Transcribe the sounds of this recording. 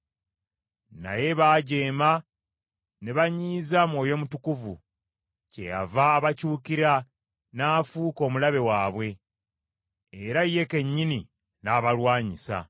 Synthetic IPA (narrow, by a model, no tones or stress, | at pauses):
na̰je̞βaːɟe̞ːma | neβaɲiːzamwo̞ːjo̞mutukuvṵ | ce̞̰ja̰vaːβacuːkiɾa | naːfuːko̞ːmulaβe̞waːβwe̞ | eɾajːe̞ke̞ɲːini | naːβalwaːɲisa̰